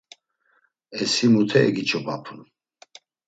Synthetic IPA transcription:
ɛsimut̪ʰɛɛɡit͡ʃʰʼɔbapʰun

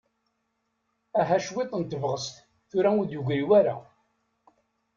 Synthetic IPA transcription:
æɦæʃwɪt̪ˤːənt̪əvʁəst̪ | θʊɾauðjuʝɾiwaɾa̰

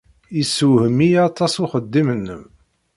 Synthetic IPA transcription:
isuhəmijɑt̪ˤɑsuχəd̪ːimənːəm

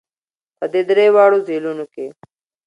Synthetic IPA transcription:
pəd̪ed̪ɾewɑːɽozelunoke

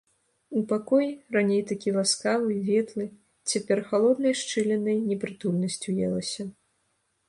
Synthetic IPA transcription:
upakɔjiranʲejt̪akʲilˠaskavɨvʲɛt̪lˠɨ | t͡sʲapʲɛrxalˠɔd̪nɐjʂt͡ʂɨlʲɛnɐjnʲɛpɾɨt̪ulʲnɐsʲt͡sʲujɛ̰lˠɐsʲɐ

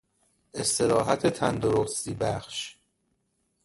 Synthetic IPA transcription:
e̞st̪ʰe̞ɾɒːɦæt̪ʰet̪ʰænd̪oɾost̪iːbæχʃ

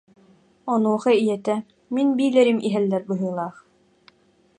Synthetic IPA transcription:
ɔnuɔχɑijɛt̪ɛ | minbiːlɛɾimʔiɦɛlːɛɾbɯɦɯːlˠaːχ

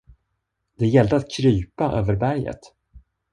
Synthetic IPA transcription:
d̪ɛjɛld̪əat̪̚kʰɾyːpaʔøːvəɾbæɾjə̰t̪

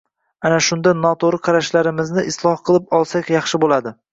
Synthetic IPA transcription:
anaʃʊnd̪anɒt̪ʰoɾɨqʰɑɾaʃlaɾɪmɪznɪʔɪslˠɒhqʰɨlˠɪpɒlˠsakʲjɑχʃɪbolad̪ɪ

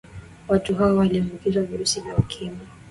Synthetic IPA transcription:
watuɦaɔwaliɔmɡukizwaviɾusivjaukʰima

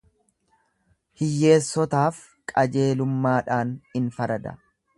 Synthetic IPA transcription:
hɪjːe̞ːsːɔt̪aːf | kʼɐd͡ʒe̞ːlʊmːaːᶑaːnɪnfɐɾɐd̪ɐ̰

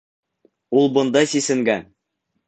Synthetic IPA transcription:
ulˠbɤ̆nd̪ɑjsisɘ̆ŋɡæn

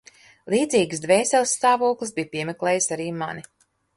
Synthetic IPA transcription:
lˠiːd̪ziːɡsd̪vɛːsɛlˠst̪aːvuɔklˠisbijpʲiɛmʲɛklʲɛːjɨsaɾiːma̰ni

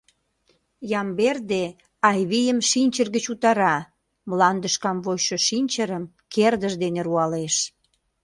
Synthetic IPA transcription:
jɑmberd̪e | ɑjβijəmʃinʲt͡ɕərɣət͡ɕut̪ɑɾɑ | mlɑnd̪əʃkɑmβojʃoʃinʲt͡ɕəɾəm | kerd̪əʒd̪eneɾuɑleʃ

